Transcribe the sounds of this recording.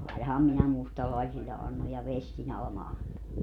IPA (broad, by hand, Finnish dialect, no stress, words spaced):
ɑinɑhɑm minæ mustɑlɑisilːe ɑnːoj jɑ ʋestin ɑlɑ̆mɑ ɑnto